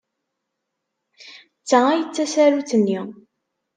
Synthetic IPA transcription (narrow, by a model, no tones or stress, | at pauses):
t͡sːaæjət͡sːæsæɾuθənːi